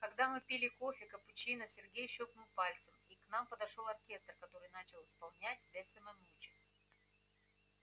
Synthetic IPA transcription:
kɐɡd̪amɨpʲilʲɪkofʲɪkəpʊt͡ɕinəsʲɪrɡʲejɕoknɨlˠpalʲt̪səmiknampəd̪ɐʂo̞lˠɐrkʲe̞st̪rkɐt̪o̞ɾɨjnat͡ɕɪlˠɨspɐlˠnʲæt̚ʲd̪lʲɐsʲəmɐnut͡ɕɪk

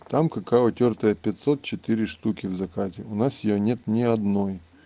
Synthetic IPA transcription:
t̪amkɐkavət̪ʲort̪əjəpʲɪt̪ʲsot̪̚t͡ɕɪt̪ɨɾʲɪʂt̪ukʲɪvzɐkazʲɪʊnasjɪjonʲe̞t̪nʲɪɐd̪noj

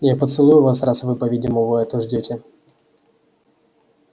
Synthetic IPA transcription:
japət̪sɨlˠujʊvasrasvɨpɐvʲidʲɪməvɔɛt̪əʐdʲotʲɪ

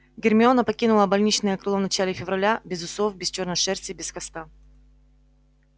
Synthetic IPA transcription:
ɡʲɪrmʲɪo̞nəpɐkʲinʊlˠəbɐlʲnʲit͡ɕnɨjəkɾɨlˠovnɐt͡ɕalʲɪfʲɪvrɐlʲabʲɪzʊsofbʲɪst͡ɕo̞rnəʂɛrsʲɪbʲɪskɐst̪a

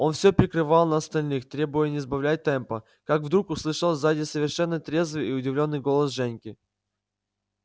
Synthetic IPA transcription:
o̞nfsʲopɾʲɪkɾɨvɑlˠnɐɐst̪ɐlʲnɨxt̪ɾʲe̞bʊjənʲɪzbɐvlʲæt̚ʲt̪ɛmpə | kakvd̪ɾukʊslˠɨʂəlˠzadʲɪsəvʲɪrʂɛnːət̪ɾʲe̞zvɨjiʊdʲɪvlʲo̞nːɨjɡo̞lˠəsʐɛnʲkʲɪ

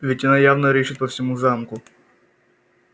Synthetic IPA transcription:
vʲɪtʲɐnajavnəɾʲeʂɨt̪̚pəfsʲɪmuzamkʊ

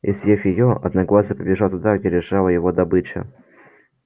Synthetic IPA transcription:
ɪsjefʲjɪjoɐ̰d̪nɐɡlˠazʲəpəbʲɪʐalˠt̪ʊd̪aɡdʲelʲɪʂɑlˠəjɪvod̪ɐbɨt͡ɕɪ̰

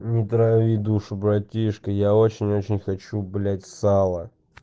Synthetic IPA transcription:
nʲɪt̪ɾɐvʲid̪uʂʊbɾɐtʲiʂkəjaot͡ɕɪnʲo̞t͡ɕɪnʲxɐt͡ɕublʲatʲsalˠə

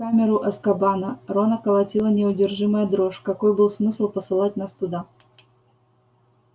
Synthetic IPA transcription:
kamʲɪɾʊʔɐskɐbanəɾonəkəlˠɐtʲilˠənʲɪʊdʲɪrʐɨməjəd̪ɾoʂkɐkojbɨlˠsmɨslˠpəsɨlˠat̚ʲnast̪ʊd̪a

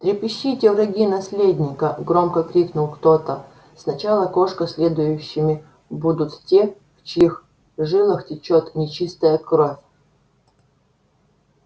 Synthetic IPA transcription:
t̪ɾʲɪpʲɪɕːitʲɪvɾɐɡʲinɐsʲlʲedʲnʲɪkəɡɾomkəkɾʲiknʊlˠkt̪ot̪ə | snɐt͡ɕalˠəko̞ʂkəsʲlʲed̪ʊjʊɕːɪmʲɪ | bud̪ʊt̪tʲe | ft͡ɕix | ʐɨlˠəxtʲɪt͡ɕot̪nʲɪt͡ɕist̪əjəkɾo̞fʲ

